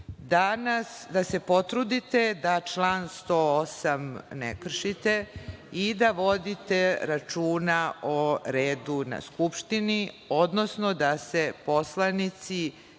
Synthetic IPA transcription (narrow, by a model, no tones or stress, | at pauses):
d̪anasd̪ase̞po̞t̪ɾud̪it̪e̞d̪at͡ʃlaːnst̪oosamnḛkr̩ʃit̪eid̪aʋo̞d̪it̪e̞ɾat͡ʃuːnaoɾeːd̪una̰skupʃt̪ini | o̞d̪no̞sno̞d̪asepo̞slˠanit̪si